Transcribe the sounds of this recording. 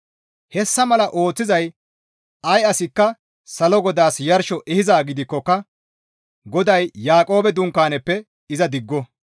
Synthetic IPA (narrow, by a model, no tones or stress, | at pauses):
hɛsːɐmɐlɐʔo̞ːt͡sːɪzɐj | ɐjɐsɪkːɐ | sɐlɔɡɔd̪aːsjɐɾʃɔʔɛhɪzaːɡɪd̪ɪkːɔkːɐ | ɡɔd̪ɐjːaːkʼo̞ːbɛd̪ʊŋkːaːnɛpːɛ | ɪzɐd̪ɪɡːɔ